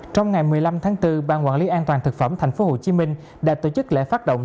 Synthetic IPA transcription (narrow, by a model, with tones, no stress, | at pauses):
t͡ɕɔ˧wŋ͡mŋa˨˩jmɨ˨˩əjla˧mt̪ʰaː˨˦ŋt̪ɨ˧ɓaː˧nkwa̰ː˧˨nli˨˦ʔaː˧nt̪waː˨˩nt̪ɨ˨˩k̚fə˧˩mt̪ʰɛ˨˩jŋ̟fo˨˦ho˨˩t͡ɕi˨˦mï˧ŋ̟ | ɗa̰ː˧˥t̪o˧˩t͡ɕɨ˦˥k̚lḛ˧˥faː˦˥t̚ɗo̰˧˨wŋ͡m